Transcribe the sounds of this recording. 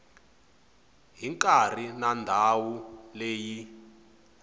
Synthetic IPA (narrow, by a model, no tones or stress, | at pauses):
ɦiŋkʼar̤inandʱawuleːji